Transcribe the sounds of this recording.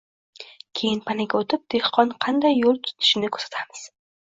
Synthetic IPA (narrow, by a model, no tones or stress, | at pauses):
kʲʰe̞jɪnpʰanɪɡʲaot̪ʰɪp̚d̪̥e̞hqʰɒnqʰɑnd̪ajːolˠt̪ʰʊ̥t̪ʰɪ̥ʃɪnɪkʰɵɾsḁt̪ʰamɪz̥